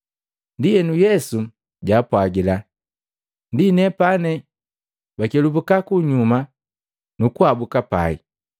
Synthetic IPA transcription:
ndijɛnujɛsu | ɟaːpwaɡila | ndinɛpanɛ | bakɛlubukakuɲuma | nukuabukapa̰ḭ

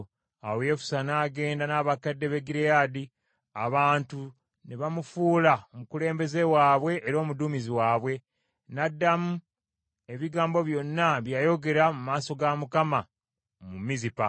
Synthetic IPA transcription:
awoje̞fu̥sanaːɡe̞ːndanaːβakadːe̞βeɡiɾejadi | a̰βaːntu | neβamufuːlaomukule̞ːmbe̞ze̞waːβwe̞ʔːɾo̞ːmuduːmiziwaːβwe̞ | nadːamu | e̞βiɡaːmbo̞βjo̞nːaβjaːjo̞ɡe̞ɾamumaːso̞ɡamukama | mumizipa

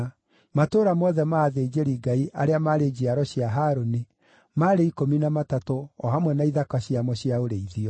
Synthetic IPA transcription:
matoːɾamɔðɛmaːðed͡ʑeɾiɡaiʔaɾeamaɾed͡ʑiaɾɔɕiaɦaɾoni | maɾeikominamatatoɔɦamwɛnaiðakaɕiamɔɕiaoɾeiðiɔ

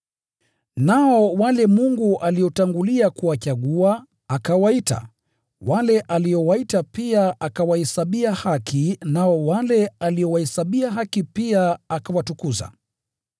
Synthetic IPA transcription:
naɔwalɛmuŋɡuʔaliɔtaŋɡuliakuwat͡ʃaɠuaː | kawaita̰ | walɛʔaliɔwaitapiaʔakawahɛsaɓiahakʰinaɔwalɛaliɔwahɛsaɓiaɦakipiaakawatukuza̰

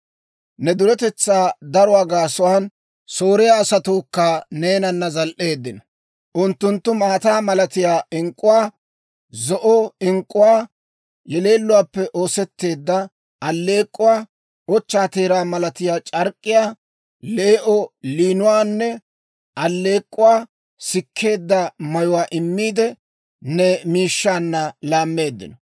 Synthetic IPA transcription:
nɛd̪ʊɾɛt̪ɛt͡sːaːd̪ɐɾʊwaːɡaːsʊwaːn | so̞ːɾɛjaːsɐt̪oːkːɐne̞ːnɐnːɐzɐlʔe̞ːd̪ːɪnɐ | ʔʊnt̪ːʊnt̪ːʊmaːt̪aːmɐlɐt̪ɪjaːʔɪŋkʼːʊwaː | zɔʔɔɪŋkʼːʊwaː | jɛle̞ːlːʊwaːpːɛʔo̞ːsɛt̪ːe̞ːd̪ːɐ | ʔɐlːe̞ːkʼːʊwaː | ɔt͡ʃːaːt̪e̞ːɾaːmɐlɐt̪ɪjaːt͡ʃʼɐɾkʼːɪjaː | leːʔɔliːnʊwaːnːɛ | ʔɐlːe̞ːkʼːʊwaː | sɪkʰːe̞ːd̪ːɐmɐjʊwaːʔɪmːiːd̪ɛ | nɛmiːʃːaːnːɐlaːmːe̞ːd̪ːɪ̰nɔ

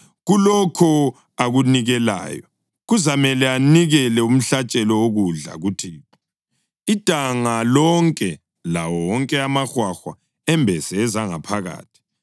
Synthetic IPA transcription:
ɣulɔkʰɔ | aɣuniɣɛla̰ːjɔ | ɣuzamɛlɛaniɣɛlɛum̩ɬat͡ʃʼɛlɔoɣuɮa̰ɣutʰi | id̥ʼʱaŋalɔŋkʼɛ | la̰wɔwɔŋkʼɛamaxwaxwa̰ | ɛmbʱɛsɛːzaŋapʰaɣa̰ːtʰi̥

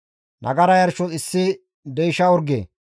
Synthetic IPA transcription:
nʔɐ̰ɡɐɾɐjɐɾʃɔɪsːɪ | d̪ɛjɪʃɐɔɾɡḛː

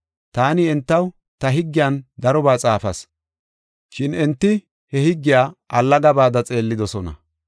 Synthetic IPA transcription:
t̪aːnɪɛnt̪ːɐw | t̪ɐɦɪɡːɪjand̪ɐɾɔbaːt͡sʼaːfɐ̰s | ʃɪnɛnt̪ːɪ | hɛhɪɡːɪjaːʔɐlːɐɡɐbaːd̪ɐt͡sʼe̞ːlːɪd̪ɔsɔnɐ̰

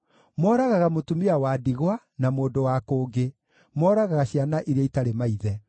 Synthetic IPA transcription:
mwɔːɾaɣaɣamotumiawaːdiɣwa | namoːndowakoːɡe | mɔːɾaɣaɣaɕjanaʔiɾeaitaɾemaiðɛ

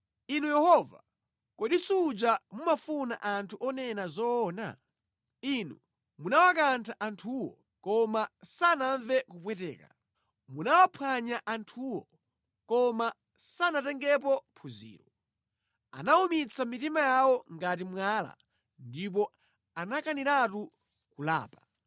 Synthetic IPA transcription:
inujɛhɔva̰ | kɔɗisud͡ʒamumafuna̰ʔantʰuʔɔnɛnazɔːna̰ | inṵ | munawak̬antʰaʔantʰuwɔ̰ | kɔmasanaɱvɛkupwɛtɛ̰ːka̰ | munawapʰwaɲaʔantʰuwɔ | kɔma | sanatɛŋɡɛp̬ɔpʰuzḭːɾɔ | a̰naumit͡sʰamitimajawɔŋɡat̬imwaːla̰ | ndip̬ɔ | anakaniɾatu | kula̰ːpa

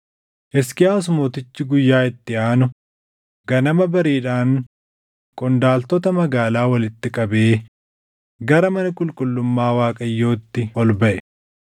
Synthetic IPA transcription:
ʔɛskɪaːs̬ʊmoːt̪ɪt͡ʃːɪɡʊjːaːɪt̪ːɪaːnʊ | ɡ̥ɐnɐmɐbɐɾiːᶑaːŋ | kʼɔnd̪aːlt̪ɔt̪ɐmɐɡaːlaːwɐlɪt̪ːɪkʼɐbeː | ɡɐɾɐmɐnɐkʼʊlkʼʊlːʊmːaːwaːkʼɐjːo̞ːt̪ːɪɔlbɐʔɛ

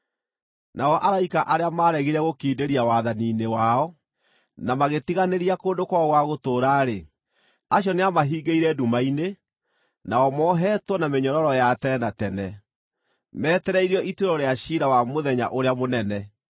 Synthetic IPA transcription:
naɔʔaɾaikaʔaɾeamaɾɛɣiɾɛɣokiːdeɾiawaðaniːnewaɔ | namaɣetiɣaneɾiakoːndokwaɣwaɣotoːɾaːɾe | aɕjɔneamaɦiːɡeiɾɛdumaine | naɔmɔɦɛːtwɔnameɲɔɾɔɾɔjatɛnatɛnɛ | mɛːtɛɾɛiɾiɔʔitweɾɔɾeaɕiɾawamoðɛɲa̰ʔoɾeamonɛnɛ

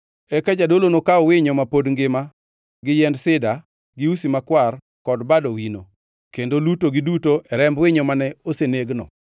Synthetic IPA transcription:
ɛkad͡ʒadolonokaɔwɪɲɔmapodŋɡɪma | ɡɪjɛndsɪda | ɡɪusimakwar | kɔdbadɔwino̰ | kendolutoɡɪdutoʔɛɾɛmbwɪɲɔmanɛoseneɡnɔ̰

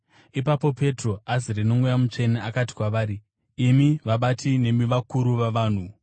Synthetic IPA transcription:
ipapo̞pe̞tro̞aziɾino̞mujamut͡ʂe̞neakat̬i̥kwaʋaːɾiː | miʋaɓatʰine̞miʋakuɾuʋaʋaːn̤u

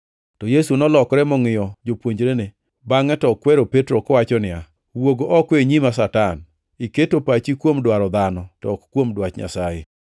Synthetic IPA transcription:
tɔjesunɔlɔkɾɛmɔŋɪjɔd͡ʒopwoɲd͡ʒɾenɪ | baŋɛtɔkːwɛɾopetɾokɔwat͡ʃɔnɪa | woɡoʔɔkweɲimasatan | iketopat͡ʃikwomdwaɾɔd̪anɔtɔ̰kkːwomdwat͡ʃɲa̰saje

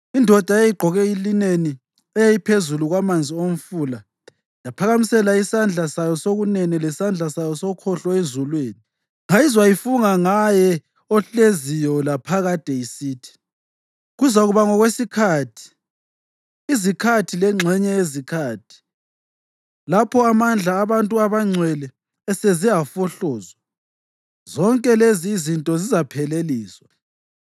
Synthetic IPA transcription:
indʱɔd̥ʱaejiɡ͡ǃʱɔɣɛilineni | ɛjajipʰezuluɣwamand͡zʱiom̩fula | japʰaɣamisɛlaisand͡ɮʱasajɔsoɣunɛnɛlɛsand͡ɮʱasajɔsokʰɔɬɔezulweːni | ŋaizwajifuŋaŋajɛ | ɔɬezijɔlapʰaɣatɛjisiːtʰi̥ | ɣuzaɣuβaŋɔɣwesikʰatʰi̥ | zikʰatʰilɛŋ͡ǁʱɛɲɛezikʰaːtʰi̥ | lapʰɔamand͡ɮʱaːβantʼuaβaŋ͡ǀʱwɛlɛː | seziafɔɬɔːzwa | zɔŋkʼɛleziːzintʼɔzizapʰɛleliːswa

